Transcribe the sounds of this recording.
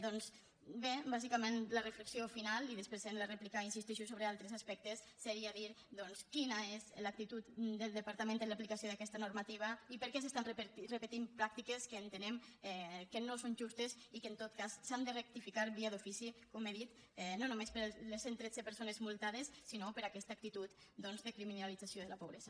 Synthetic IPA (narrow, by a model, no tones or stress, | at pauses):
d̪ɔns | bebazikamenlərəfləksiofinaliðespɾezenləreplikainsist̪iʃusoβɾealˠt̪ɾezaspɛk̚t̪esːeɾiaðiɾ | d̪ɔnskinaezlak̚t̪it̪ut̪d̪əlˠd̪əpaɾt̪amẽnt̪eləplikasioðakɛst̪ənuɾmat̪iβ̞əipəɾkɛsest̪anrərəpət̪impɾak̚t̪ikeskəːnt̪ənɛmɛkənosonʒust̪es | ikəent̪ot̪̚kassand̪ərek̚t̪ifikaɾβiaðufisikomeðit̪ | nonumespəɾlesent̪ɾed͡zəpəɾsonezmulˠt̪að̞esːinopəɾakɛst̪ak̚t̪it̪ut̪d̪ɔnzd̪əkɾiminalid͡zasioðəlapoβɾɛzɐ